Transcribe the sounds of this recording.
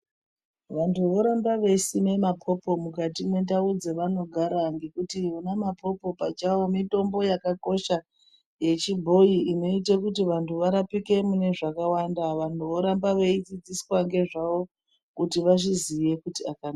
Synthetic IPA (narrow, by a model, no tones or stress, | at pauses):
ʋantʰuʋo̞ɾambaʋe̞sime̞mapʰo̞po̞mukatine̞ndaud͡zeʋano̞ɡʱaɾaŋɡe̞kutionamapʰo̞po̞pat͡ʃawomito̞mbo̞jakako̞ʃa | je̞t͡ʃibʱo̞iino̞itekutiʋantuʋaɾapike̞mune̞ʐakawandaʋantuʋo̞ɾambaʋe̞it͡sid͡ziswaŋɡe̞ʐaʋo̞ | kutiʋaʐiziʋe̞kutiakana